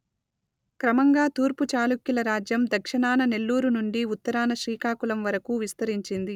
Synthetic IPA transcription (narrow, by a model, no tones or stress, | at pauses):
kɾɐmɐŋɡaːt̪uːɾput͡ʃaːlukjilɐɾaːd͡ʒjɐmd̪ɐkʂɐɳaːnɐne̞lːuːɾunuɳɖiut̪ːɐɾaːnɐʃɾiːkaːkulɐmʋɐɾɐkuʋist̪ɐɾiɲt͡ʃind̪i